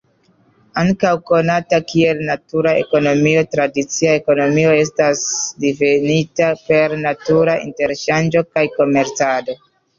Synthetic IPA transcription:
aŋkawko̞natakie̞lnatuɾae̞̰ko̞no̞mio̞tɾadit͡siae̞ko̞no̞mio̞e̞s̬tasdivenitape̞ɾnatuɾaʔḭnte̞ɾʃand͡ʒo̞kajko̞me̞ɾt͡sado̞

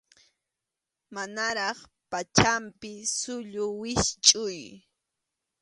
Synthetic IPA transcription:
manaɾɑχ | pat͡ʃampɪsʊʎʊwɪst͡ʃʼʊj

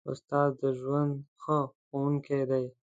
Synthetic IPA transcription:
ʊ̰st̪ɑzd̪əʒwand̪xəxowuŋkʰejd̪aj

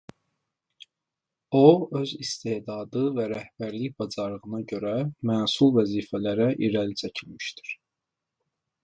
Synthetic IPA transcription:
oø̞zist̪eːd̪ɑːd̪ɯvæɾæhb̥æɾliçbɑd͡ʒɑɾˠɯʁɯnɑɟø̞ɾæmænsulˠvæziːfælæɾæʔiɾælit͡ʃʰæcʰilmiʃd̪i̥ɾ̥

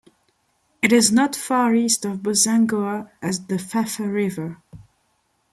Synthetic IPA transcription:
ɨɾɪznətfɑɹistɔvbəzæ̃ŋɡoaɨzðəfæfəɹɪvə˞

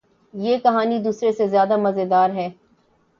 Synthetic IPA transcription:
jeːkɐɦaːnid̪uːsɾesezjaːd̪amɐzed̪aːɾɦɛː

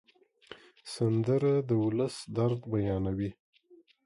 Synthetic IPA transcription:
sand̪əɾad̪əwʊləsd̪aɾd̪bajɑnawi

